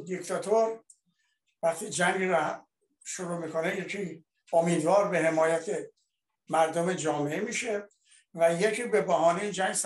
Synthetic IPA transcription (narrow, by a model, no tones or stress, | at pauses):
d̪ikt̪ʰɒt̪ʰoɾ | væχt̪ʰiːd͡ʒæŋɡɾoh | ʃoɾuːmiːkʰo̞neje̞kʰiː | omiːd̪vɒːɾbe̞he̞mɒːjæt̪ʰe | mæɾd̪ome̞d͡ʒɒːmeʔemiːʃe | væjekʰiːbe̞bæɦɒːnid͡ʒæŋɡs